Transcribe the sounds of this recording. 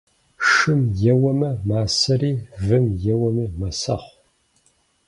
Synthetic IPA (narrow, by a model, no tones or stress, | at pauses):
ʂɨmjɛwɐmɐmaːsɐriːvɨmjɛwɐmimɐsɐ̰χʷ